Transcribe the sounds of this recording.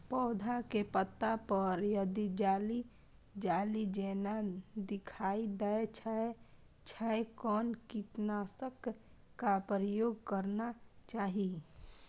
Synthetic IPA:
pɔːd̪ʱakepət̪ːapəɾjəd̪id͡ʒaːli | d͡ʒaːlid͡ʒeːnad̪ɪkʰaːid̪ət͡ʃʰae | t͡ʃʰaekɔːnkiʈnaːsəkː | apɾəjoːɡkəɾnat͡ʃaːɦi

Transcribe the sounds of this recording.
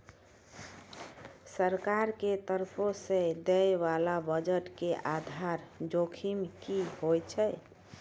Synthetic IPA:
səɾkaɾket̪əɾpʰosẽd̪ɛjʋalabəd͡ʒəʈkeʔad̪ʱaɾd͡ʒokʰimkihojt͡ʃʰɛ

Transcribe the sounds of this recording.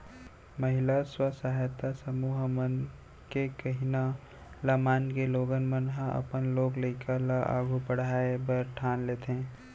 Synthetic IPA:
məɦɪlaswəsaɦjt̪asəmuːɦmən | kekəɦina | ləmaːnkeloːɡənmənɦãʔə̰pənloːɡləɪkəlaʔa̰ːɡʱupəɽ̤aːebəɾʈʰaːnleːt̪ẽː

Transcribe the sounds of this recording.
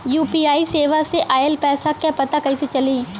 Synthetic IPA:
juːpiːaːiseːʋaseʔaːelpɛːsakjapɐt̪akɐiset͡ʃɐliː

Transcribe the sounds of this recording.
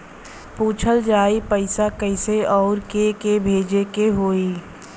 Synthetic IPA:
puːt͡ʃʰəld͡ʒaːipəɪsakəɪseɔːɾkekebʱeːd͡ʒekeɦoːiː

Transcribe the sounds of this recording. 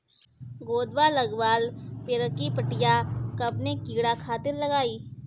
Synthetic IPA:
ɡoːd̪walɐɡʋaːlpɪɾkipəʈɪjakɐbnekiːɽakʰaːt̪ɪɾlɐɡaːiː

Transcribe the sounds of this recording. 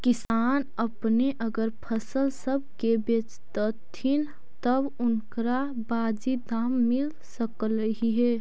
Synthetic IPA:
kɪsaːn | əpneʔəɡəɾpʰəsəlsəb̚ʱkebet͡ʃt̪ət̪ʰːin | t̪əbʊnkɾa | baːd͡ʒid̪aːmːɪl | səkləɦiɦɛ

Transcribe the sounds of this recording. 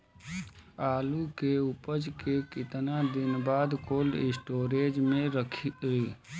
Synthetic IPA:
aːlukeʊpəd͡ʒkekɪt̪nad̪ɪnbaːd̪koːlɪsʈoːɾeːd͡ʒmẽɾəkʰioiː

